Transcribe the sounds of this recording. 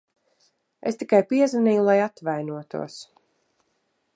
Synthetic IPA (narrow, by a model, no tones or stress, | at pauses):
est̪ikajpiɛzaniːjulˠajat̪vajnuɔt̪ṵɔs